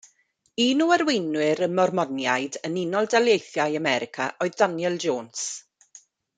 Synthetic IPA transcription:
iːnuərwejnwɪɾənmɔrmɔnjajdənɪnɔlˠdalˠjejθjajamɛɾɪkʰa̰ʔɔɨðdanjɛlˠd͡ʒoːns

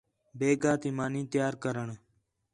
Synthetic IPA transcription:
beːɡaːt̪iːmaːnĩːt̪jaːɾkəɾəɳ

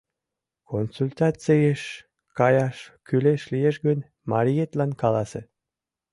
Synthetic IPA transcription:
konsulʲt̪ɑt͡sijeʃ | kɑjɑʃkyleʃlijeʃɡən | mɑɾʲijet̪lɑnkɑlɑsḛ

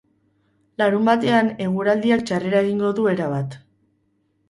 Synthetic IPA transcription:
laɾumbat̪e̞ane̞ɣ̞uɾald̪iakt͡ʃare̞ɾae̞ɣiŋɡo̞ðue̞ɾaβat̪

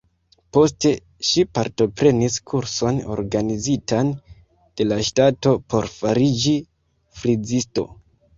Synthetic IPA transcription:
po̞s̬te̞ | ʃipaɾto̞pɾe̞niskʰuɾso̞no̞̰ɾɡanizitan | d̥e̞laʃtato̞po̞ɾfaɾid͡ʒi | fɾid͡zisto̞̰

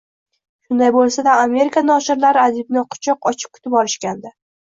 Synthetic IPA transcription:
ʃʊnd̪ajbolˠsad̪aame̞ɾɪkʰanɒʃɪɾlaɾɪad̪ɪbnɪqʰʊ̥t͡ʃʰɒqɒt͡ʃʰɪ̥p̚kʰʊ̥t̪ʰɪpɒɾɪʃkʲand̪a

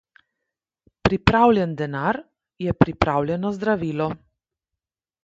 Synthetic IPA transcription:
pɾipɾaːwlʲjɛnd̪ɛnaɾ | jɛpɾipɾaːwlʲjɛnɔzd̪ɾaʋiːlɔ

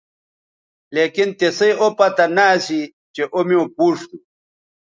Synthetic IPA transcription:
leːkint̪esɐjopɐt̪ɐnaːsi | t͡ɕeʔomiõpuːʂt̪u

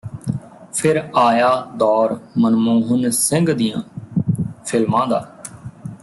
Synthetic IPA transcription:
pʰɪɾaːjaːd̪ɔːɾmənmũːɦʊnsɪ̃ŋɡd̪ɪjã̰ː | pʰɪlmãːd̪a̰ː

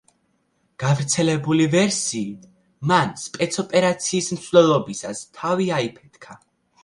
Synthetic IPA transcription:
ɡ̥avɾt̪sʰɛlɛbulivɛɾsiː | manspʼɛt̪sʰɔpʼɛɾat̪sʰiːsmt̪sʰvlɛlˠɔbisast̪ʰaviaipʰɛt̪̚ʰkʰa

